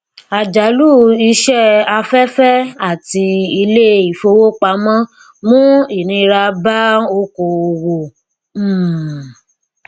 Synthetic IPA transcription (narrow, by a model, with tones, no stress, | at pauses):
a˨d͡ʒa˨˦lu˦i˧˦ʃɛ˦a˧fɛ˦fɛ˦a˦˨ti˧i˧le˦i˨fo˧wo˦k͡pa˨˧˦mã˦ | mũ˦i˦˨nĩ˧ɾa˧ba˦o˦ko˧o˧wo˨˦˨